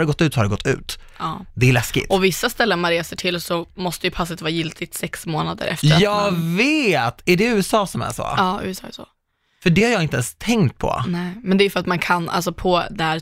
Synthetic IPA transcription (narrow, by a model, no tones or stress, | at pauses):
d̪ɛɡɔt̪ːʉ̟ːt̪sɔhaɾd̪ɛɡɔt̪ʰːʉ̟̰ːt̪ | ɑːd̪ɛæɭɛskkɪ̰t̪ɔvɪsːast̪ɛlːənmanɾeːsəʈʰɪlsɔmɔst̪əjɵpʰasːət̪vɑːɾajɪlt̪ʰɪt̪sɛksmoːnad̪ə̰ɾɛ̰ft̪ɾɾjɑːveːt̪æɖɛʉ̟ːɛsɑːsɔmæ̰ʂo̰ːɑːʉ̟̰ːɛsɑ̰ːɛ̰ʂo̰ | fœɖɛhaɾjɑːɪnt̪əɛnst̪ʰɛŋkt̪̚pʰɔ̰nɛɪmɛnd̪ɛːjʏfœɾat̪mankʰanʔa̰ls̬ɔpʰɔd̪ɛæːɾ